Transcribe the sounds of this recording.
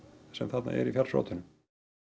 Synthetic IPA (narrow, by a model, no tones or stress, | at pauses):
sɛmθat̪na̰ʔɛɾifjalr̥sɾo̰ːt̪ʏnʏm